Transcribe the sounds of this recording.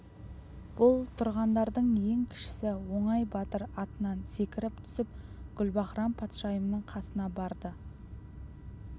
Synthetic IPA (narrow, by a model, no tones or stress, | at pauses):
b̥ʊlˠt̪ʰʊɾʁɑnd̪ɑɾd̪əɴje̞ŋkʲʰɪ̥ʃɪ̥sɪwo̞ɴɑjbɑt̪əɾɑt̪ənɑnse̞kʲɪɾɪpt̪ʰʏ̥sɪp̚ɡ̥ʲʏlbɑχɾɑmpʰɑt̪ʃɑjəmnəɴqʰɑsənɑbɑɾd̪ə